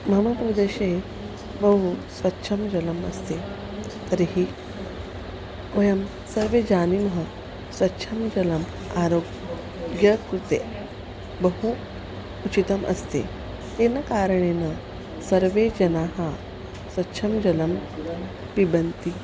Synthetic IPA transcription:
mɐmapɾɐd̪eɕe | bəɦusʋɐtːɕʰɐmd͡ʒɐləmɐ̰st̪e | t̪ɐɾiɦi | kʋɐjɐm | sɐɾʋed͡ʑaːnimɦə | sʋɐtːɕʰɐmd͡ʑɐlɐm | aɾoɡ | ɡjɐkɾut̪e | bəɦu | ut͡ʃit̪ɐmʔɐ̰st̪ḛ | t̪enakaɾəɳena | sɐɾʋed͡ʑɐnaːɦa | sʋɐtːʃʰɐmd͡ʒɐlɐm | pibənt̪i

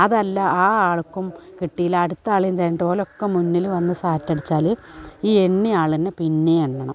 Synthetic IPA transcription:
ɐðɐlːɐaːaːɭkːumkiʈːijilɐɽut̪ːɐaːɭint̪ɐjnːiʈo̞ːlo̞kːemunːilʋɐnːɨsaːtːɐɽit͡ɕːaːlɨiːeɳːiaːɭinːepinːeeɳːɐɳɐm

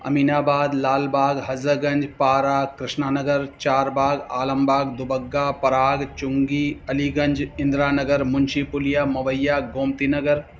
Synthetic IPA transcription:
ɐ̰miːnaːbaːd̪laːlbaːɡɦɐzəɡɐ̃ɲd͡ʒpaːɾaːkɾɪʃnaːnɐɡəɾt͡ʃaːɾbaːɡa̰ːlɐmbaːɡd̪ʊbɐɡːaːpɐɾaːɡt͡ʃʊŋɡiːɐliːɡɐ̃ɲd͡ʒɪ̃nd̪ɾaːnɐɡəɾmʊnʃipʊlijaːmɐʋɐjːaːɡoːmt̪iːnɐɡəɾ

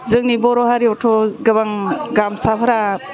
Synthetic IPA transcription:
zɯŋnibɔɾɔɦaɾiɔtʰɔɡɐbaŋɡamsapʰaɾa

